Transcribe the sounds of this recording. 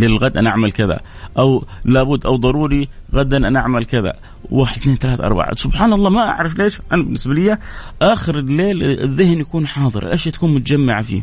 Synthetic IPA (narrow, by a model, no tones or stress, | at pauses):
lɪlɣad̪ʔanaʔaʕmalkɪða̰ | ʔawlaːbʊd̪ːʔawd̪ˤɑɾˤuːɾiɣad̪ːanʔanaʔaʕmalkɪða̰ | waːħɪd̪̥̚θneːnt̪alaːt̪ʔɑ̰ɾˤba̰ʕa̰sʊbħaːnɑlˤːɑːmaʔa̰ʕɾˤɑfleːʃʔanabɪnːɪsbalɪjːaʔaːxɪɾɪlːeːlɪ̰ðːɪhnjakuːnħɑːðˤɨ̰ɾʔlʔaʃjaːt̪ḁkuːnmʊt̪ad͡ʒamːaʕafḭː